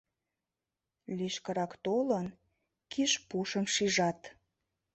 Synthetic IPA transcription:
liʃkəɾɑkt̪olən | kiʃpuʃəmʃiʒɑt̪

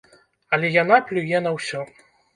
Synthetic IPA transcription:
ɐlʲɛjanaplʲujɛnɐwsʲɔ

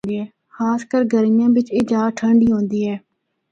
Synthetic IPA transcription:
iɛː | xaːskəɾɡʱəɾɪjãːʋɪt͡ʃeːd͡ʒaːʈʰəɳɖiːɦõːnd̪iːɛː

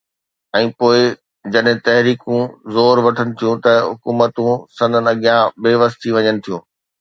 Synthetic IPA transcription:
ɛ̃ːpoːɪ | d͡ʑɐɗɦɪ̃t̪ɐɦɾiːkũzoːɾʋɐʈʰənɪ̆t̪ʰijũt̪ɐɦʊkuːmət̪ũsɐ̃nd̪ʱənɪ̆ɐɠjãbeːʋəst̪ʰiʋɐɲənɪ̆t̪ʰijũː

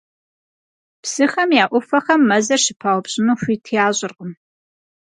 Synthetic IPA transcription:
psɨxɐmjaːʔʷʊfɐχɐmːɐzɐrʃɪpʰaːwɔpɕʼɪnuɕʷiːtʰijaːʑʼɪrqəm

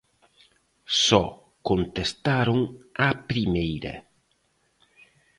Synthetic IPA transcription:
sɔ | kont̪est̪aɾʊŋapɾimejɾɐ̰

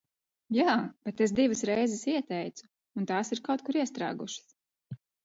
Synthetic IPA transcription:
jaːb̥et̪es̬d̪ivəsɾɛjzɛsiɛt̪ɛjt̪suː | nt̪aːsiɾkawt̪̚kuɾiɛst̪ɾa̰ːɡuʃə̥s

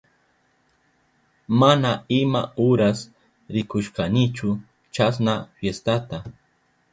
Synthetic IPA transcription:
manaɪma̰ʊɾas | ɾɪkʊʃkanɪt͡ʃʊ | t͡ʃas̬nafjest̪at̪a

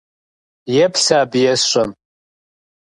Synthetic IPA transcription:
jɛpʰɬaːbjɛsɕʷʼɐm

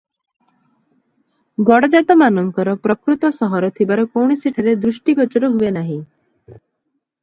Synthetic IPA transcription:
ɡɔɽɔd͡ʒat̪ɔmanɔŋkɔɾɔpɾɔkɾut̪ɔsɔɦɔɾɔt̪ʰibaɾɔkowɳ̃isiʈʰaɾed̪ɾusʈiɡɔt͡ʃɔɾɔɦuenaɦĩ

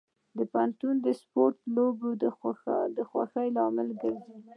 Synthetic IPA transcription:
d̪əpant̪und̪əspoɾt̪loboəd̪əxwa̰xəjlɑmɪlɡaɾzi

